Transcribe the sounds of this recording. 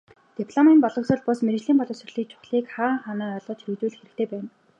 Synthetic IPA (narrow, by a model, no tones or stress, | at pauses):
t̪ipʰɮɔmimpɔɮɞ̆ksɞ̆ɮpʊsmeɾɘ̆t͡ɕɮiːmpɔɮɞ̆ŋsɵrɮiːk̚t͡ɕʰʊ̥χɮiːkχaːχanaːɔɮɔːt̪ʰeɾɘ̆ɣt̪uːɮɘ̆xeɾɘ̆k̚t̪ʰeːpæːn